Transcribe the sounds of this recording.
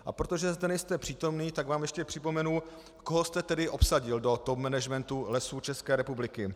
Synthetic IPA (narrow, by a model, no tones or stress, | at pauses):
ʔa̰pɾo̞t̪o̞ʒɛzdɛnɛjst̪ɛpr̥iːt̪o̞mniːt̪aɡvaːmjɛʃcɛpr̥ɪpo̞mɛnu | koɦost̪ɛt̪ɛdɪʔo̞psaɟɪldo̞t̪opmɛnɛʒmɛnt̪ulɛsuːt͡ʃɛskɛːɾɛpublɪkɪ